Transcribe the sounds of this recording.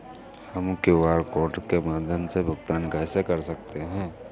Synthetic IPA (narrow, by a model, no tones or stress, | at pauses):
həmkeʋaːɾkoːɾʈkemaːd̪ʱjəmsebʱʊɡt̪aːnkasekɐɾsɐk̚t̪eɦɛ̃ː